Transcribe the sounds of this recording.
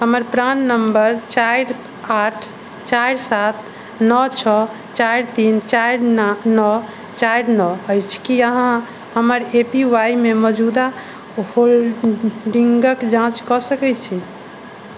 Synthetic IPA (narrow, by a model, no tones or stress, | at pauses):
ɦəməɾpɾanːəmbəɾt͡ʃajɾ | aʈʰ | t͡ʃajɾsat̪ʰ | nɔt͡ʃʰɔ | t͡ʃajɾt̪int͡ʃajɾnnɔ | t͡ʃajɾnɔəjt͡ʃʰkiəɦã | həməɾepiwajmemɔd͡ʒud̪a | hol | ɖiŋɡəkd͡ʒãt͡ʃkɔsəkɛt͡ʃʰi